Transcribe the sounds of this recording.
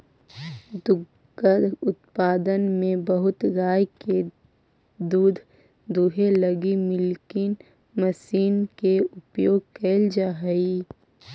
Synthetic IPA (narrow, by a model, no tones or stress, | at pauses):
d̪ʊ | ɡkəɾʊt̪paːd̪ənmẽbəɦʊt̪ɾaːjke | d̪uːd̪ʱ | d̪uɦeləɡimɪlkɪn | məsiːnkeʊpjoːɡ̚keːld͡ʒaɦi